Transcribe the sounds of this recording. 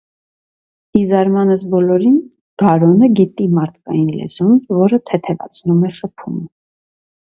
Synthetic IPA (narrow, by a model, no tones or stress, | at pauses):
izɑɾmɑnəs̬bɔlɔɾin | ɡ̥ɑɾɔnəɡit̪imɑɾt̪ʰkɑ̰jinlɛ̰zunvɔɾət̪ʰɛt̪ʰɛvɑ̰t͡sʰnumɛʃəpʰṵmə